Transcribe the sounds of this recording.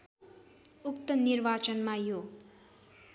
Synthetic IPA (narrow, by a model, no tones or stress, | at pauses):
ukt̪ʌnirbat͡sʌnmajo